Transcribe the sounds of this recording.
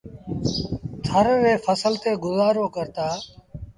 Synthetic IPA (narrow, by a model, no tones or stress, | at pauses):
t̪ʰəɾʋeːfʰəsəlt̪eːɡʊzaːɾoːkəɾt̪aː